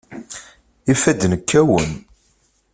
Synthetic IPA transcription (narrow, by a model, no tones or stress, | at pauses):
ifæd̪nəkʰːæwən